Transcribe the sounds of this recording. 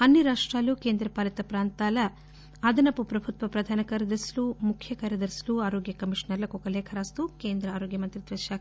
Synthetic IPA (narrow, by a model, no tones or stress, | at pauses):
ɐnːiɾaːʂʈɾaːlukeːnd̪ɾɐpaːlɐt̪ɐpɾaːnt̪aːlɐ | ɐd̪ɐnɐpupɾɐbʱut̪ʋɐpɾɐd̪ʱaːnɐkɐɾɐd̪ɐɾslumukʰjɐkɐɾjɐd̪ɐɾsluaːɾoːɡjɐkɐmiʂnɐɾlɐkokɐleːkʰɐɾaːst̪ukeːnd̪ɾɐaːɾoːɡjɐmɐnt̪ɾit̪ɾɐʃjaː